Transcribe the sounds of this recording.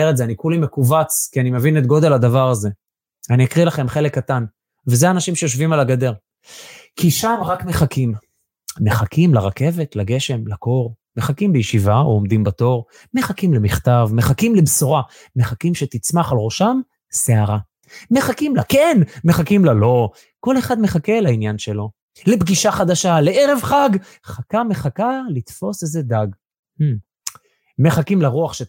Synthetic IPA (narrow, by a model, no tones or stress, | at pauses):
eʁetzeanikulime̞kuvat͡skianimevinet̪̚ɡo̞d̪e̞lad̪avaʁaze̞ | aniakʁilaχe̞mχe̞lekːatan | vezeanaʃimʃejoʃvimalaɡad̪e̞ʁ | kiʃamʁakme̞χakʰimː | e̞χakimlaʁake̞vet̪laɡe̞ʃe̞mlako̞ʁ | me̞χakimbejʃivaomd̪imbato̞ʁ | me̞χakimlemiχt̪avmeχakimlebsoʁa | me̞χakimʃet̪it͡smaχalʁo̞ʃam | seaʁa | me̞χakimlakenmeχakimlalo̞ | ko̞le̞χad̪meχakelainjanʃe̞lo̞ | lebɡiʃaχad̪aʃaleʔeʁe̞vχaɡ | χakame̞χakalit̪fo̞sezed̪aɡ | h̩ | me̞χakimlaʁuaχʃe